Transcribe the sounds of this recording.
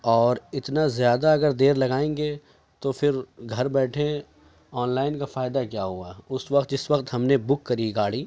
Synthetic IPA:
ɔːɾɪt̪nazjaːd̪aɐɡəɾd̪eːɾlɐɡaːẽːŋɡe | t̪ofɪɾɡʱɐɾbɛːʈʰẽ | ɔːnlaːɪnkafaːɪd̪akjaːɦuaʊsʋɐqt̪d͡ʒɪsʋɐqt̪ɦɐmnebʊkːɐɾiɡaːɽiː

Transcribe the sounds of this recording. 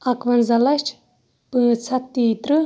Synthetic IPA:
ɐkʋɐnzɐlɐʃt͡ʃʰ | pɨːt͡sʰɐt̪ːiːt̪ɾɨ

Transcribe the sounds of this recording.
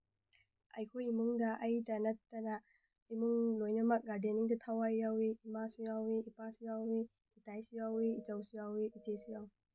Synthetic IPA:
ɐ̰jkʰojimuŋdɐʔɐjdɐnɐtːɐna | imuŋlojnɐmɐk̚ɡaɾdeniŋdɐtʰawajawiimasujawiipasijawi | itajsijawiit͡ʃawsijawiʔitesijaw

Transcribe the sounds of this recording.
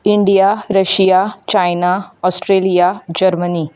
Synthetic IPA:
iɳɖijaɾəɕijat͡ɕajnaɔsʈɾelijad͡ʑəɾməniː

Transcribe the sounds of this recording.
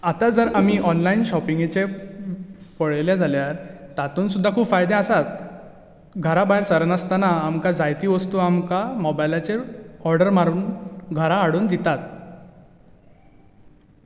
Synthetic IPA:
at̪ad͡zəɾam̤iːʔɔnlainɕɔpiŋɡet͡ɕe | pəɭeljad͡zʱaljaɾt̪at̪uːnsud̪ʱːakʰuːbfajd̪ẽasat̪̚ | ɡʱəɾabaɦjɾsəɾənəst̪anaːmkad͡zajt̪iːʋəst̪uːamkamɔbajlat͡ɕeɔɾɖəɾmaɾuːnɡʱəɾaːɽuːnd̪it̪at̪̚

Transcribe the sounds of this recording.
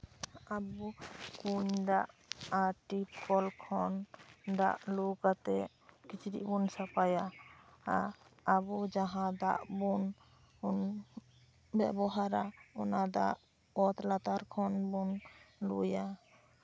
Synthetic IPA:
abukuɲd̪aʔ | aʈipkʰɔlkʰɔnd̪a̰ʔlukat̪ɛʔ | kit͡ʃɾḭʔbunsapajaaabud͡ʒaɦãd̪a̰ʔbun | un | bɛ̰bɔɦaɾaɔnad̪aʔ | ɔt̪lat̪aɾkʰɔnbunlṵja

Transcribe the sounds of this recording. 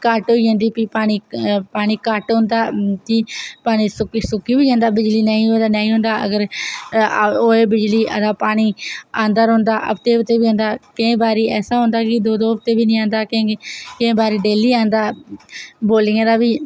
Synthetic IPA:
kaʈɦoːiːɦə̃nd̪iːpiːpaːɽ̃iːpaːɽ̃iːkaʈɦõːnd̪aːt̪iːpaːɽ̃iːsʊkisʊkiːbiːãːnd̪aːbɪd͡ʒliːnəːĩːɦõd̪aːnaːĩːɦõːnd̪aːʔə̰ɡəɾ | oːeːbɪd͡ʒliːə̰d̪aːpaːɽ̃iːãːnd̪əɾɦõːnd̪aːʔə̰bt̪eːt̪eːbiːɦõːnd̪aːkɪẽːbaːɾiːɛːsaːɦõːnd̪aːkɪd̪oːd̪oːbt̪eːbiːnĩːãːnd̪aːkːkɪ̃ẽːbaːɾiːɖeːliːãːnd̪aː | boːlɪ̃ːd̪aːbiː

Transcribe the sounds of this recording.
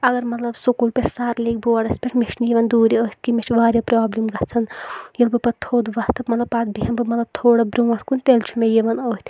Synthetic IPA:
ɐɡɐɾmɐt̪lɐbsokulpeɾsaːɾlek̚boaɽɐspʲeʈʰmet͡ʃʰnjeʋɐnd̪uːɾiəit̪̚ʰkimet͡ʃʰʋaːɾʲjɐpɾaːblimɡɐt͡sʰɐnjelbɨpɐt̪ʰoːd̪ʋaht̪ʰɐbmɐt̪lɐbpaːd̪̚biɦɐmbɨmɐt̪lɐb̚t̪ʰoːɽɐbɾuʋɐʈʰkunt̪elt͡ʃʰumejeʋɐnoːit̪ʰ

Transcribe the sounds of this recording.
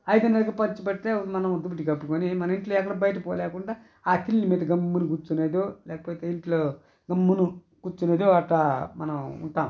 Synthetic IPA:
ɐjd̪ɐnɐlɐkɐpɐɲt͡ʃupɐɽt̪eːmɐnɐmd̪ubuʈ̬ikɐpːukoːnimɐnɐiɳʈloːɛkːɐɽɐbɐjɐʈ̬ɐpoːjlɛːkuɳɖaː | aːt̪ilːnimiːd̪ɐɡɐmːunukut͡ʃuneːd̪oːlɛːkɐ̥poːt̪eːiɳʈloː | ɡɐmːunu | kut͡ʃːuneːd̪oːɐʈlaːmɐnɐmṵɳʈaːm

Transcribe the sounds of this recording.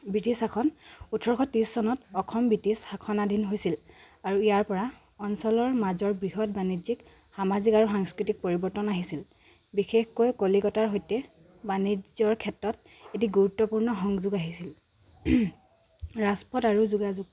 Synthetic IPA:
bɹitisakʰɔnutʰːɔɹxʰɔtissɔnɔtɔkʰɔmbitisxakʰɔnadʱinɦojsil | aɹuijaɹpɔɹa | ɔnsɔlɔɹmazɔɹbɹiɦɔt̚banizik | xamazikaɹuxaŋskɹitik̚poɹibɔɹtɔnaɦisil | bixexkojkolikɔtaɹɦojtɛ | banid͡ʒzɔɹkʰɛtɹɔt̚ | et̬iɡuɹutːɔpuɹnɔxɔŋzuɡaɦisil | ɹaspɔtaɹuzuɡazuɡ̚

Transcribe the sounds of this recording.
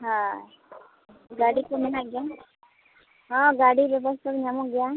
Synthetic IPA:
ɦã | ɡaɽikomɛnaɡja | ɦɔ̃ɡaɽibjɔbɔst̪ʰakɲamɔ̃ɡja

